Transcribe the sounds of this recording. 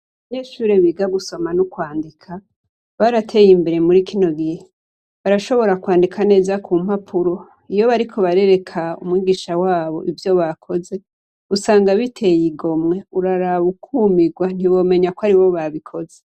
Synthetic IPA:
βaɲe̞ːʃuːɾeβiːɡaɡuso̞manukwaːndikʰa | βaɾatʰe̞jimbe̞ɾe̞muɾikino̞ɡihe | βaɾaʃo̞βo̞ɾakwaːndikʰane̞ːzakʰuːm̥apʰuɾo̞ | ijo̞βaɾikʰo̞βaɾe̞ɾe̞kʰaṵmŋiːɡiʃawaːβo̞̰ʔivjo̞βakʰo̞ze̞ | usaːŋɡaβitʰe̞jiɡo̞mŋe̞uɾaɾaβukʰuːmiɡwan̥iβo̞ːme̞ɲakwaɾiβo̞βaβikʰo̞ze̞

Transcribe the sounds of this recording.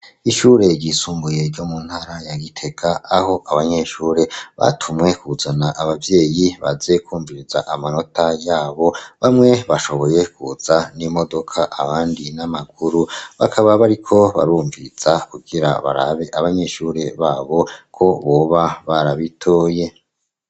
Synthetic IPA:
iʃuːɾe̞ɾɟisuːmbuje̞ɾɟomuːn̥haɾajaɡitʰe̞ɡaːho̞ʔaβaɲeʃuːɾe̞βa̰tʰumŋe̞kuzanaʔaβavje̞ːjiβa̰ze̞kuːɱviɾizaʔamano̞tajaːβo̞βamŋe̞βaʃo̞βo̞je̞kuz̥animo̞do̞kʰaʔaβaːndinamaɡuɾuβa̰kʰaβaβaɾikʰo̞βa̰ɾuːɱviiz̥akuɡiɾa̰βa̰ɾa̰βe̞ʔaβaɲe̞ʃuɾe̞βaːβo̞kʰo̞βoβaβaɾaβitʰoːje̞

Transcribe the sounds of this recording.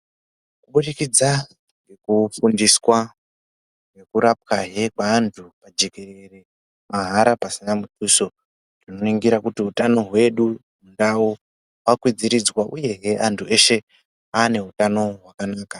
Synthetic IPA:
kuɓuɗikid͡za | ŋɡe̞kufundiswa | ŋe̞kuɾap̚kaɦe̞kwaːntʰupad͡ʒe̞ke̞re̞re̞ | maɦaɾapasinamutʰuso̞ | rino̞iŋɡiɾakutiutano̞ɦwe̞ɗumundau | ɦwakwid͡ziɾid͡zwaʔuje̞ɦeʔantʰue̞ʃe̞ | aːne̞ɦutano̞ɦwakanaːka

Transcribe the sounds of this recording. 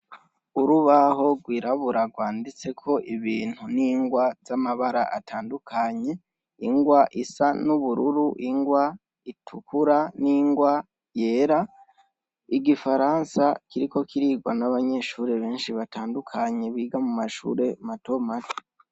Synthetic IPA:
uɾuβaɦo̞ɡwiːɾaβuɾaɡwaːndit͡se̞kʰo̞ʔiβiːn̥huniːŋɡwazamaβaɾa̰ʔatʰaːndukʰaɲe̞ | iŋɡwaʔisanuβuɾuɾuʔiŋɡwa | itʰukuɾaniŋɡwa | je̞ːɾa | iɡifaɾaːnsakiɾiko̞kʰiɾiːɡwanaβaɲe̞ʃuːɾe̞βe̞ːnʃiβataːndukʰaɲe̞βiːɡamumaʃṵɾe̞mato̞mati̥i̥

